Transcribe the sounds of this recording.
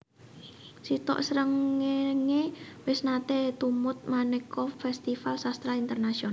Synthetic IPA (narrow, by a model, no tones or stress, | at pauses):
sit̪ɔ̰ʔsəɾəŋːeŋewɪsnat̪et̪umʊt̪̚manɛkɔfɛst̪ifalsast̪ɾaint̪ərnasiona